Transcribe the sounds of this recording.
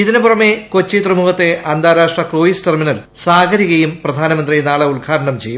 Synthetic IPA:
iðinupurɐmeko̞t͡ɕːit̪rɐmuɦɐt̪ːe̞ʔɐnd̪aːɾaːʂʈrɐkroːjisterminɐl | saːɡʰʱɐɾiɣɐjumprɐd̪ʱaːnɐmɐnd̪rijnaːɭɐulɡʰʱaːɾɐɳɐmt͡ɕejːum

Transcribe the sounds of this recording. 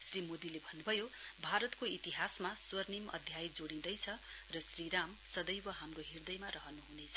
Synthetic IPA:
srimod̪ilebʱʌnːubʱʌjobʱaɾʌt̪koit̪iɦasmaswʌrnimʌ̰d̪ʱjajd͡zoɽĩd̪ʌjt͡sʰʌ | rʌsriɾamsʌd̪ʌjwʌɦamroɦird̪ʌjmaɾʌɦʌnuɦunet͡sʰʌ̥

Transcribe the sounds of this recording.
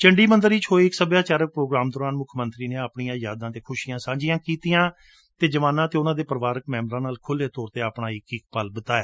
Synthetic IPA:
t͡ʃəɳɖiːmənd̪əɾiːt͡ʃʰɦoːiːɪksəbjaːt͡ʃaːɾək̚pɾoːɡɾaːmd̪ɔːɾaːnmʊkʰmənt̪ɾiːneːaːpɳijãːjaːd̪ãːt̪eːkʰʊʃijãːsãːɲd͡ʒijãːkiːt̪ijãː | t̪eːd͡ʒəʋaːnãːt̪eːʊnãːd̪eːpəɾʋaːɾək̚mɛːmɾãːnaːlkʰʊleːt̪ɔːɾt̪eːaːpɳaːɪkɪkpəlbət̪aːɛː

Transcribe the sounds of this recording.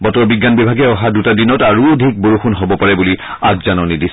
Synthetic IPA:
bɔtɔɹbiɡːanbibʱaɡɛɔɦadutadinɔtaɹuodʱik̚boɹuxunɦɔbɔpaɹɛbuli | aɡzanɔnidis

